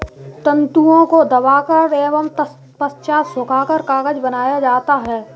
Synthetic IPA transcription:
t̪ə̃nt̪uõkod̪ɐʋaːkəɾeːʋəm | pəst͡ʃaːsʊkaːkəɾkaːɡəd͡ʒbənaːjad͡ʒaːt̪aɦɛː

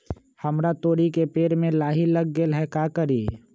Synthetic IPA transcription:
həmɾat̪oːɾikepeːɾmẽlaːɦiləɡɡelɦɛkaːkəɾiː

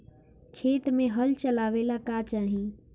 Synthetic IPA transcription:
kʰeːt̪mẽɦəlt͡ʃəlaːʋeːlakat͡ʃaːɦĩː

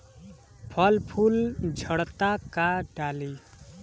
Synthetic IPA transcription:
pʰʌlpʰuld͡zʱʌɽt̪akaɖali

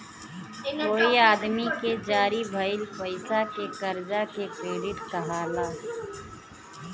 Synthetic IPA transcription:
koːiaːd̪miked͡ʒaːɾibʱɐɪlpɐɪsakekɐɾd͡ʒakekɾeːɖɪʈkɐɦaːlaː

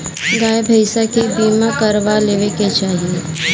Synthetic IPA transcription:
ɡaːebʱəɪsakibiːmãkəɾʋaleːʋeket͡ʃaːɦie

